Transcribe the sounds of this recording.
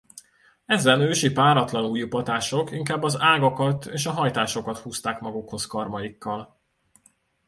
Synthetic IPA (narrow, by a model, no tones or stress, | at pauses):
ɛzɛnøːʃipaːɾɒt̪lɒnuːjupɒt̪aːʃo̞kiŋkaːbːɒzaːɡɒkɒt̪eːʃɒɦɒjt̪aːʃo̞kɒt̪huːst̪aːkmɒɡukho̞skɒrmɒjikːɒl